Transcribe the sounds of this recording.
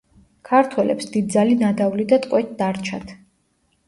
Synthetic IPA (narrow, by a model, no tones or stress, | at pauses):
kʰaɾt̪ʰwɛlɛ̰psd̪id̪̚dzalinad̪avlid̪at̪ʼqʼwɛt̪̚d̪aɾt͡ʃʰa̰t̪ʰ